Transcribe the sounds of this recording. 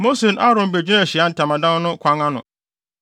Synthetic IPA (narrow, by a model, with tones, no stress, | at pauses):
mo˦se˨nʔa˦ɾʊ̃˨m˨be˨d͡ʑᶣi˦nã˦˨ɕi˨a˦n̩˨tʰã˨mã˨dã˦n˦nʊ̃˦kʷʰã˨˦ŋã˦nʊ̰̃˨